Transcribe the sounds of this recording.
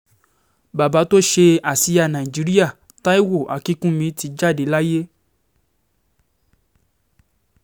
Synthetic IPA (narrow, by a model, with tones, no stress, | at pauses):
ba˨ba˨˧˦to˦ʃe˧a˨si˧˦ja˧nã˨i˨d͡ʒi˨˦ɾi˦a˦˨ | ta˦i˦wo˦˨ʔa˨ki˦kũ˦mĩ˧ti˧d͡ʒa˦˨de˨˦la˦je˦